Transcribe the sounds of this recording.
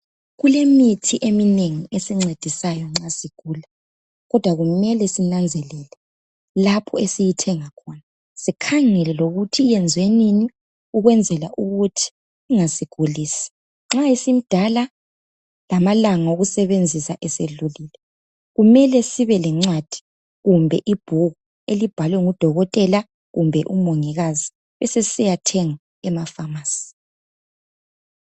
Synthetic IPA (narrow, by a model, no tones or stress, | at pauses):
ɣulemitʰiʔemineŋiesiŋ͡ǀed̥ʱisajɔŋ͡ǁasiɡ̥ʱuːla | ɣɔd̥ʱwaɣumɛlɛsinand͡zʱɛlɛlɛ | lapʰɔesijitʰɛŋakʰɔna | sikʰaŋɛlɛloɣutʰijɛnd͡zʱwenini | uɣwɛnd͡zʱɛlaʔuɣutʰi̥ | ŋasiɡ̥ʱuliːsi̥ | ŋ͡ǁaisim̩d̥ʱala | lamalaŋaoɣusɛβend͡zʱisa̰ʔɛsḛɮuliːlɛ | ɣumɛlɛsiβɛlɛŋ͡ǀwad̥ʱi̥ | ɣumbʱɛʔib̥ʱuɣu | elib̥ʱalwɛŋud̥ʱɔɣɔtʼɛla | ɣumbʱɛʔumoŋiɣazi | βɛsɛsijatʰɛŋa | ɛmafamaːsi̥